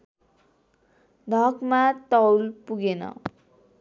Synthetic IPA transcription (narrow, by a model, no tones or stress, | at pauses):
d̪ʱʌkmat̪ʌwlpuɡenʌ̰